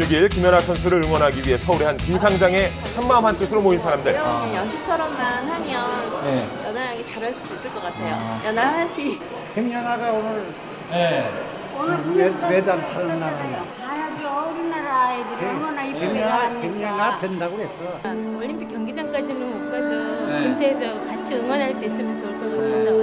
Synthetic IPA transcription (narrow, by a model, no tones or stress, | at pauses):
ɭɡiɭkimjʌnasʰʌnsʰuɾɯɭɯɭŋwʌnɦaɡiɥiɦe̞sʰʌuɾiɦankiŋsʰaŋd͡ʑaŋe̞ | sʰanmaɯmɦant͈ɯsʰɯɾomoinsʰaɾamdɯɭjʌnsʰɯt͡ɕʰʌɾʌmnaanhaɲjʌŋnejʌnajʌŋit͡ɕaɾaɭs͈uis͈ɯɭk͈ʌk͈atʰe̞jo̰jʌnaapʰi | hʰemjʌnaɡaonɯɾ | je | onɯmedantaɾnaɾai | aadʌɾinaɾaedɯɾŋʌnaieʌnaemɲʌnadwendaɡoɦesʰʌ | ʌɭʎːimpʰikjʌŋɡid͡ʑaŋk͈ad͡ʑinɯnokk͈aesʰʌkɯnt͡ɕʰeːsʰʌkat͡ɕʰiɯŋwʌnɦaɭs͈uis͈ɯmjʌnt͡ɕʌt͈ʰosʰʌ